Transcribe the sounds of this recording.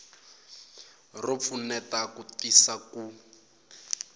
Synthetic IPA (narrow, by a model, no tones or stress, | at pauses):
rop̪fʰunɛtakutisaku